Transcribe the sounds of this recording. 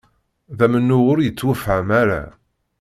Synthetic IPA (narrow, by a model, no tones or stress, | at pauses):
ðæmənːʊʁʊɾjət͡sːwæfʕəmaɾa̰